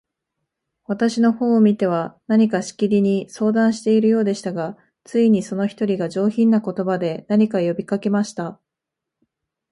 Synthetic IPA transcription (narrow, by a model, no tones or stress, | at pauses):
βat̪aɕino̞ho̞ːmʲit̪e̞β̞anaɲ̟ikaɕi̥kʲiɾʲiɲ̟iso̞ːd̪ãɰ̃ɕi̥t̪e̞iɾɯ̟jo̞ːd̪e̞ɕi̥t̪aɡa | t͡sɨiɲ̟iso̞no̞çi̥t̪o̞ɾʲiɡaʑo̞ːçĩnːako̞t̪o̞bad̪e̞naɲ̟ikajo̞bʲikake̞maɕi̥t̪a